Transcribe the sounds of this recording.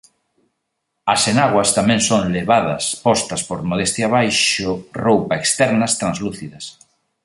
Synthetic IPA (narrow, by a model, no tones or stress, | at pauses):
ɐsenaɣwɐst̪amɛ̃ŋsoŋleβaðɐspɔst̪ɐspoɾmoðest̪jaβajʃʊrowpaekst̪ɛɾnɐst̪ɾãnzluθiðɐs